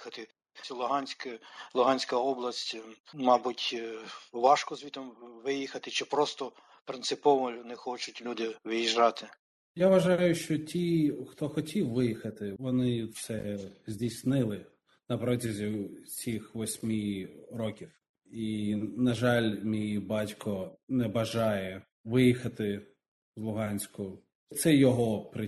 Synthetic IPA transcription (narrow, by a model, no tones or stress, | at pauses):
xɐt̪ɪ | sʲɐlˠʊɦɑnʲsʲkɪlˠʊɦɑnʲsʲkɐɔblˠɐsʲtʲmɑbutʲ | ʋɑʃkɔzʋʲit̪ɔmʋɪjixɐt̪ɪt͡ʃɪpɾɔst̪ɔ | pɾɪnsɪpɔʋɔjʊnɛxɔt͡ʃʊtʲlʲud̪ɪʋɪjiʒrɑt̪ɪ | jaʋɐʒɑjʊʃt͡ʃɔtʲixt̪ɔxɔtʲiwʋɪjixɐt̪ɪʋɔnɪt̪sɛzʲdʲijsʲnɪlˠɪ | nɐpɾɔtʲɐzʲisʲixʋɔsʲmʲirɔkʲiw | inɐʒɑlʲmʲijbɑtʲkɔnɛbɐʒɑjɛ | ʋɪjixɐt̪ɪ | zlˠʊɦɑnʲsʲkʊ | t̪sɛjɔɦɔpɾɪ